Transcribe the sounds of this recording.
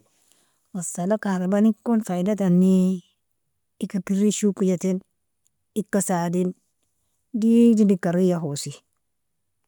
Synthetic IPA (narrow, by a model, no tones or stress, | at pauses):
wasalakaɾabanikːonfajdat̬anːi | ikapiɾiʃukijatin | ikːasadin | dididikaɾijaɦosi